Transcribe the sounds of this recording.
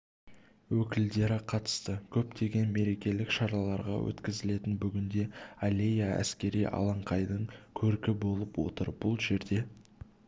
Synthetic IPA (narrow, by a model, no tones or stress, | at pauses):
wɵkʲɪld̪e̞ɾɪqʰɑt̪ə̥st̪əkʲʰɵpt̪e̞ɡʲe̞nme̞ɾe̞kʲe̞lɪkʃɑɾɑlˠɑɾʁɑ̰wʔɵ̰t̪kʲɪzɪle̞t̪ɪnbʏɡʲɪnd̪e̞alʲe̞jaæ̰skʲe̞ɾijʔɑ̰lˠɑɴqʰɑjd̪əɴkʲʰɵɾkʲɪbo̞lˠəpwo̞̰t̪əɾb̥ʊlˠʒe̞ɾd̪e̞